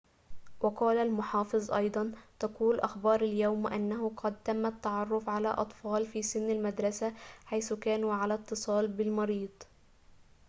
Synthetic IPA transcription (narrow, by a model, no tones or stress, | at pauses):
wɑqɑːlalmʊħɑːfɨzˤʔɑ̰jd̪ˤɑnt̪aquːlʔaxbɑːɾˤaljawmʔanːaɦʊqʰɑd̪̚t̪amːat̪ːaʕɑrˤːʊfʕala̰ʔɑ̰t̪ˤfɑːlfiːsɪnːalmad̪ɾˤɑsaħajθʊkæːnuːʕalat̪ːɨsˤɑːlbɪlmɑɾiːd̪̥ˤ